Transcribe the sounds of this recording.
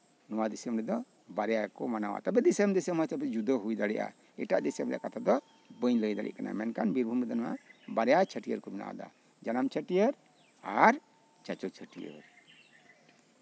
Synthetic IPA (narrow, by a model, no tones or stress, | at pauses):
nɔwad̪isəmɾɛd̪ɔ | baɾɛjakɔmanawa̰t̪abɛd̪isəmd̪isəmət͡ʃabɛd͡ʒud̪əɦujd̪aɽɛʔa̰ | ɛʈaʔd̪isəmɾɛ̰ʔakat̪ʰad̪ɔ | bəɲləjd̪a̰ɽʔɛ̰ʔkana̰mɛnkanbiɾbʱumɾɛd̪ɔnɔwa̰baɾɛjat͡ʃʰəʈijəɾkɔmɛna̰ʔa̰d̪a̰ | d͡ʒanamt͡ʃʰəʈijəɾ | aɾ | t͡ʃat͡ʃɔt͡ʃʰəʈijə̰ɾ